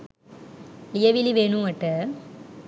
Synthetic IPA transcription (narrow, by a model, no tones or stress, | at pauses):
ɪjɐʋɪliʋeːɳɯ̃ɐʈːɐ